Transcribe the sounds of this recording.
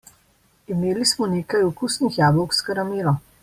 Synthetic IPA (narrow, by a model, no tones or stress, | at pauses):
imeːlismɔneːkajukusnixjaːbɔwkskaɾamiːɾɔ